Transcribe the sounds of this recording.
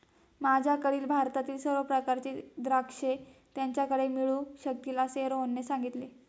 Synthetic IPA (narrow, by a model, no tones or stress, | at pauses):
mad͡ʑʱjakəɭiːlbʱaɾt̪at̪iːlsəɾʋəpɾəkaɾt͡ɕed̪ɾakʂet̪jaɲt͡ɕjakəɽemiɭuɕək̚t̪ilaseɾɦonːesaŋɡit̪le